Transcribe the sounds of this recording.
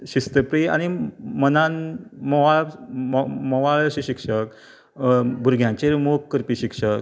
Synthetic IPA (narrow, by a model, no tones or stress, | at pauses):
ɕist̪əpɾia̰ñimənanmɔʋal | mɔʋalɕiɕikʂək | bʱuɾɡʱjãt͡ɕeɾmokkːəɾpiɕikʂək